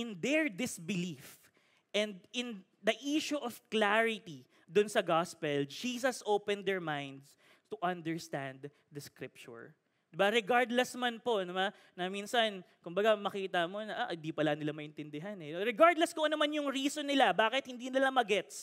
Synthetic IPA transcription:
ʔɪnd̪ɛɹd̪ɪsbɪlif | ʔɛ̃nd̪ɪ̃n | d̪ɐʔiʃuʔɔv̥klaɹɪt̪i | d̪ʊnsɐɡaspɛld͡ʒiːsɐsʔowpɛ̃nd̪ɛɹmãjnd̪s | t̪ʊʔɐ̃nd̪ɛɹst̪ãnd̪ | d̪ɐskɾɪp̚t͡ʃʊ̰ɹ | d̥̪ɪbaɾɛɡaɹd̪lɛsmanpo̞nɐma | nɐminsɐnkʊmbɐɡamɐkiːt̪ɐmo̞nɐʔaʔɪnd̪ipɐlanɪlamɐʔɪnt̪ɪnd̪ɪɦanɛnoɾɛɡaɹd̪lɛskoʔonɐmanjʊŋɾiːsonːɪlabaːkɪt̪̚hɪnd̪iːnɪlamɐɡɛt̪s

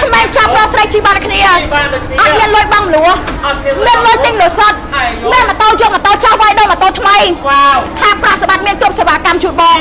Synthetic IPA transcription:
kʰmeːŋt͡ɕap̚rŏət̪srəjt͡ɕiːɓankʰniəʔɑt̪̚miənlʊ̆əjɓɑŋmluəhmiənlʊəjt̪ɨŋluəsət̪̚miənmət̪oːljoːŋ̚mət̪olt͡ɕahʋajɗoːmət̪oːt̪ʰməj | haɛprɑʔsaɓat̪̚miənkrŭəp̚seʋaːkamt͡ɕuːt̪̚ɓɑː

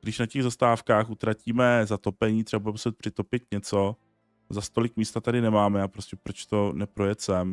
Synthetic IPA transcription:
ɡdɪʃnacɛɣzast̪aːfkaːxʔut̪ɾaciːmɛzat̪o̞pɛɲiːt̪ɾ̝ɛbabudɛmusɛt̪̚pr̝̥ɪt̪o̞pɪt̪ɲɛt͡so̞ | zast̪o̞lɪkmiːst̪at̪adɪnɛmaːmɛapɾo̞scʲɛpɾo̞t͡ʃt̪o̞nɛpɾojɛt̪sɛm

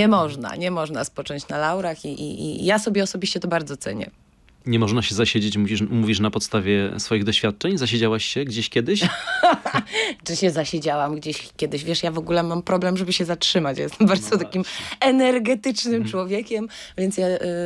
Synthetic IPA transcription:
ɲɛmɔʐna̰ɲɛmɔʐnaspɔt͡ʂɔ̃ɲt͡ɕnalawɾaxiʔḭḭjasɔbʲjɛɔsɔbʲiɕt͡ɕɛt̪ɔbaɾd̪zɔt̪sɛɲɛ̰ | ɲɛmɔʐnaɕɛzaɕed͡ʑet͡ɕmuvʲiʂmuvʲiʂnapɔt̪st̪avʲjɛsfɔjiɣd̪ɔɕfʲjat̪̚t͡ʂɛɲzaɕ̬ed͡ʑawaɕɕɛɡd͡ʑeɕkʲjɛd̪ɘɕ | t͡ʂɨɕɛzaɕed͡ʑawamɡd͡ʑeɕkʲjɛd̪ɘɕ̬vʲjɛʂjavɔɡulɛmampɾɔblɛmʐɛbɘɕɛzatʂɘmat͡ɕja̰jɛst̪ɛmbaɾd̪ɔt̪akʲimɛnɛɾɡɛt̪ɘt͡ʂnɘmt͡ʂwɔvʲjeɛkʲɛm | vʲjɛnt̪sja

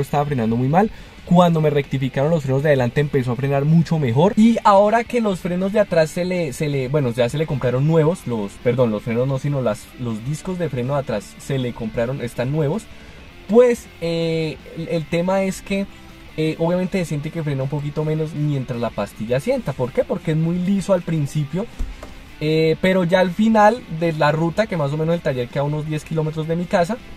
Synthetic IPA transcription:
est̪aβafɾe̞nãnd̪o̞mujmal | kwand̪o̞me̞rek̚t̪ifikaɾo̞nlos̬fɾe̞no̞zd̪eaðelant̪e̞ːmpe̞s̬o̞afɾe̞naɾmut͡ʃo̞me̞xo̞ɾiaoɾake̞lo̞sfɾe̞no̞zd̪eat̪ɾasːeleselebwe̞no̞d͡ʒase̞le̞ko̞mpɾaɾo̞nːwe̞βo̞slospe̞ɾdo̞nlo̞sfɾe̞no̞zno̞sino̞las | lo̞zd̪isko̞zd̪efɾe̞noðat̪ɾasːe̞leko̞mpɾaɾo̞ne̞st̪anːwe̞βo̞s | pwe̞s | e | elt̪e̞mae̞ske̞ | eʔoβjame̞nt̪esesje̞nt̪̬ikefɾe̞naũmpo̞k̬it̪o̞mẽ̞no̞s̬mje̞nt̪ɾazlapast̪iʝaːsje̞nt̪apo̞ɾke̞po̞ɾke̞ezmujlisoalpɾinsipjo̞ | epe̞ɾo̞ʝaːlfinald̪e̞larut̪ake̞mas̬o̞mẽnos̬et̪aʝe̞ɾkeauno̞zd̪je̞skilo̞met̪ɾo̞zd̪e̞mikas̬a

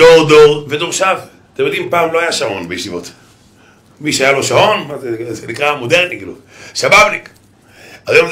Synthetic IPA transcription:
doʁd̪oʁved̪oʁʃav | t̪emjo̞d̪impaːmlo̞ajaʃao̞nbejʃivo̞t̪ | miʃeajalo̞ʃao̞nzenikʁamod̪eʁnikilusabavlik | ajom

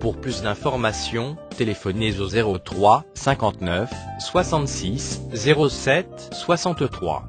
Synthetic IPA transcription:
puʁplysd̪ɛ̃fɔʁmasjɔ̃t̪elefɔnezozeʁot̪χwasɛ̃kɑ̃t̪nœfswasɑ̃t̪siszeʁosɛt̪ | swasɑ̃t̪ət̪χwa̰

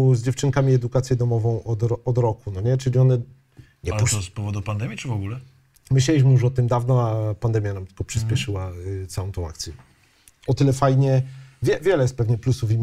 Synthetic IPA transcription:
zd͡ʑɛft͡ʂɘŋkamʲiɛd̪ukat̪sʲjɛd̪ɔmɔvɔ̃w̃ʔɔd̪ɾɔɔd̪ɾɔkunɔɲɛt͡ʂɘlʲiɔnɛ | ɲɛp̪spɔvɔd̪upand̪ɛmʲjit͡ʂɨvɔɡulɛ | mɘɕlʲɛlʲiɕ̬mɘjuɔt̪ɘmd̪avnɔapand̪ɛmʲjanamt̪ɘ̥lkɔpʂɘspʲɛʂɘwat̪sawɔ̃w̃t̪ɔ̃w̃a̰kt̪sʲjɛ | ɔt̪ɘlɛfajɲɛvʲjɛvʲjɛlɛjɛst̪pɛvɲɛplusuvim

